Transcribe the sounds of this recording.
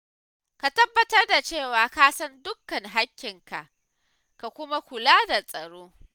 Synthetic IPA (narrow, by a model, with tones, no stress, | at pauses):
ka˨tɐ˦bːɐ˦tɐ˦rda˨t͡ʃeː˦˨waː˨kaː˦sɐ˦ndʊ˦kːɐ˨ŋɦa˦kʲːɪ˨ŋka̰˨ʔ | ka˨kʷʊ˦ma˦kʷʊ˨laː˦da˨sʼɐ˨ɽoː˦